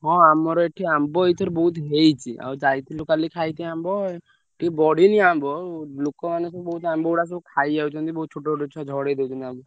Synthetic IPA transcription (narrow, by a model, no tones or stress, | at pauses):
ɦɔ̃amɔɾɔeʈʰiambɔit̪ʰɔɾbɔut̪ɦejt͡ʃʰiʔa̰d͡ʒajt̪ʰilukalikʰajt̪ʰiambɔ | ʈʰibɔɽiniambɔlokɔmanusɔbɔɦut̪ambɔuɽas̬ɔkʰajd͡ʒawt͡ʃʰɔnt̪ibɔɦut̪̚t͡ʃʰuʈɔʈɔt͡ʃʰɔd͡ʒʱɔɽed̪ewt͡ʃɔnabu